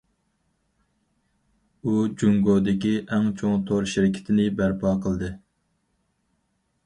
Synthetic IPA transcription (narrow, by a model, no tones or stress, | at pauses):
ud͡ʒuŋɡod̪ɪkʲiʔɛŋt͡ʃʰoŋt̪ʰoɾʃɪɾɪkʲʰɪ̥t̪ʰɪnɪbæɾpʰɑːqʰəlˠd̪ɨ